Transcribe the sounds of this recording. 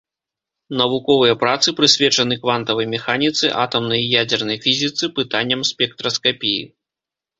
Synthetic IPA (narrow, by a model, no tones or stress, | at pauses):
nɐvukɔvɨjɐpɾat̪sɨpɾɨsʲvʲɛt͡ʂɐnɨkvant̪ɐvɐjmʲɛxanʲit̪sɨ̰ʔa̰t̪ɐmnɐjjad͡zʲɛrnɐjfʲizʲit̪sɨpɨt̪anʲːɐmsʲpʲɛk̚t̪ɾɐskapʲijḭ